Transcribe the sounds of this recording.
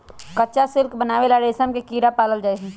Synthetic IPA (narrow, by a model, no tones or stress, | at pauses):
kəːt͡ʃasɪlkbənaːʋelaɾeːsənkekiːɾapaːləld͡ʒaːesɛ̃